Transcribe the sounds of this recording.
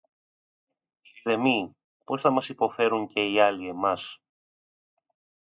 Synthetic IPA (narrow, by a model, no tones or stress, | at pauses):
siðe̞mi | po̞sθɐmɐsipo̞fe̞ɾuŋce̞iɐlie̞mɐs